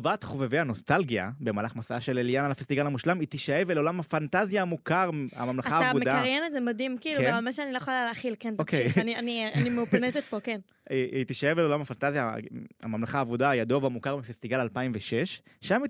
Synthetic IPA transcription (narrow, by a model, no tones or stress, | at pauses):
vat̪χoveveano̞st̪alɡia̰be̞maːlaχmasaaʃe̞leljanalafest̪iɡalhamuʃlamit̪iʃajeveleo̞lamhafant̪azjaːmukaʁa̰mamlaχataːavudmed̪kaaʁjenetzemad̪imkiːlualmaʃeaniljeχaleeːχilkenokejnianianimeupnetet̪̚poken | eit̪iʃaje̞vleolamafant̪azja̰a̰mamlaχaːvudaːjad̪ovamukaʁmifest̪iɡalalpaimveʃe̞ʃː | ami